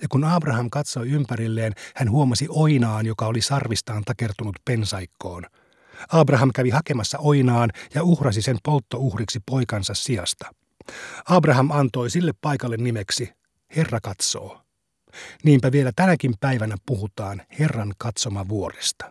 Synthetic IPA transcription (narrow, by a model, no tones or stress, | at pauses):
jɑkunɑːbrɑɦɑmkɑt̪so̞jympæɾilːe̞ːnhænɦuomɑsiʔo̞inɑːnjo̞kɑolisɑrʋist̪ɑːnt̪ɑke̞rt̪unut̪pe̞nsɑjkːo̞ːn | ɑːbrɑɦɑmkæʋiɦɑkemɑsːɑojnɑːnjɑuhrɑs̬ise̞mpo̞lt̪ːo̞uhriksipo̞jkɑnsɑssiɑst̪ɑ̥ | ɑːbrɑɦɑmɑnt̪o̞isilːepːɑjkɑlːenːimeksi | he̞rːɑkɑt̪so̞̰ː | niːmpæʋielæt̪ænækimpæjʋænæpuɦut̪ɑːnhe̞rːɑnkɑt̪so̞mɑʋuo̞ɾest̪ɑ̥